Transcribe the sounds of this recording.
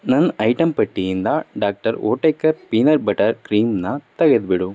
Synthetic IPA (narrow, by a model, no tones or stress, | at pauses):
nɐnɐjʈɐmpɐʈːijind̪aːɖaːk̚ʈɐɾoːʈːɐkːɐɾpinɐɾbɐʈɐɾkɾiːmnaːt̪ɐɣɐðbɪɽu